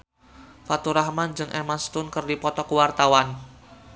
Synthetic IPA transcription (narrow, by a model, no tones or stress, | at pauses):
fat̪uɾahmand͡ʒɨŋʔɛmast̪ʊnkərdipɔt̪ɔkəwart̪awan